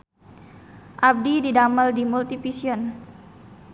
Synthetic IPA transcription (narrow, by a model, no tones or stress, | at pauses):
ʔab̚dididaməldimult̪ifisiɔn